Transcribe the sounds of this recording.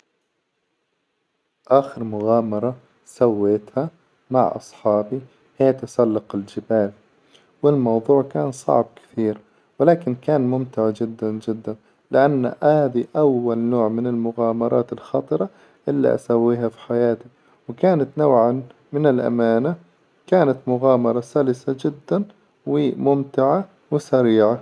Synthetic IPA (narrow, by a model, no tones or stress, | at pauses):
ʔaːxɪɾmʊɣaːmɑɾˤɑ | sawːeːt̪ha | ma̰ʕʔɑ̰sˤħɑːbi | hɪjːat̪ɪsalːɑqɪld͡ʒɪbaːl | wɪlmɑwðˤuːʕkaːnsˤɑ̰ʕb̚kɪ̥θiːɾ | wɪlaːkɪnkaːnmʊmt̪aʕad͡ʒɪd̪ːand͡ʒɪd̪ːan | lɪʔanːʔhaːðiʔawːalnoːʕmɪnɪlmʊɣaːmɑɾˤɑːt̪ɪlxɑːt̪ˤɨɾˤɑ | ʔɪlːḭʔa̰sawːiːɦafi̥ħajaːt̪i | wɪkaːnat̪nawʕanmɪnɪlʔa̰maːna | kaːnat̪mʊɣaːmɑɾˤɑsalɪsad͡ʒɪd̪ːan | wɪmʊmt̪ɪʕa | wɪsaɾiːʕa